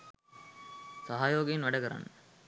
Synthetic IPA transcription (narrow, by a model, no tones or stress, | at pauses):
sɐɦaːjoːɡɐjinʋɛɖɐkɐɾa̰n